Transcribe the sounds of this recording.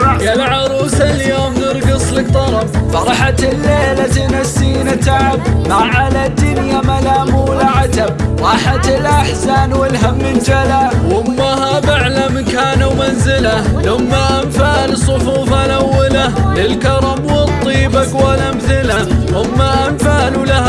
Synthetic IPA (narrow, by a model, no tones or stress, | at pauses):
kalʕɑɾˤuːsaljoːmnɪɾˤɡɨsˤlɪk̚t̪ˤɑɾˤɑbfɑɾˤɑħat̪lːeːlat̪ɪnasːiːnat̪aʕabmaʕalad̪ːʊnjamalaːmuːlaʕat̪abɾˤɑːħat̪ɪlʔaħsaːnwɪlɦamːɪnd͡ʒalawʊmːahabaʕlamkaːnawmanzɪlaθʊmːaʔamfalsˤːʊfuːfalawːɪlalɪlkɑɾˤɑmwɪt̪ˤːiːbakwalʔamθɪlaθʊmːaʔamfalulaha